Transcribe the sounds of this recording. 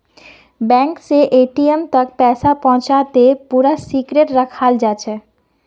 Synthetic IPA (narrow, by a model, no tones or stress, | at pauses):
bɛ̃ŋkseʔeʈiemt̪ək̚pɛsapɔ̃ɦʊ̃t͡ʃat̪epuɾasikɾeʈɾəkʰald͡ʒat͡ʃʰɛ